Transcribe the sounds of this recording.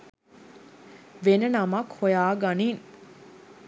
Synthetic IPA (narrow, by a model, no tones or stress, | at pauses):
ʋenənamɐkhojaːɡaniːn